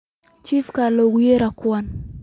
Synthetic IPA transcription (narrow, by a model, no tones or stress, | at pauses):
t͡ʃifkaloɡjeɾakwan